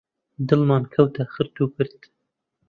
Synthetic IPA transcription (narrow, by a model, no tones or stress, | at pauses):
d̪ɨlmɑːnkʰɐwt̪ʰaxɨɾt̪uːkɨɾt̪